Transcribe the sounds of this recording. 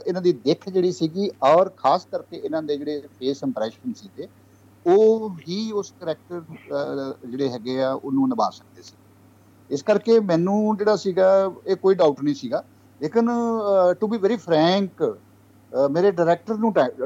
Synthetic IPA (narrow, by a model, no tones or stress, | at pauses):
ɪnãːd̪iːd̪ɪkʰd͡ʒeːɽiːsiːɡiːɔːɾkʰaːskəɾkeːɪnãːd̪eːd͡ʒeːɽeːpʰeːsɪ̃mpɾɛːʃənsiːɡeː | oːɦiːʊskəɾɛːk̚ʈəɾ | d͡ʒeːɽeːɦɛːɡeːaːʔʊnũːnəba̰ːsək̚d̪eːsi̥eː | ɪskəɾkeːmɛ̃ːnũːd͡ʒeːɽaːsiːɡaːeːkoːiːɖaːʊʈnəĩːsiːɡaː | leːkɪnʈubiːʋɛːɾiːpʰɾɛ̃ːŋk | meːɾeːɖaːɾɛːk̚ʈəɾnũːʈa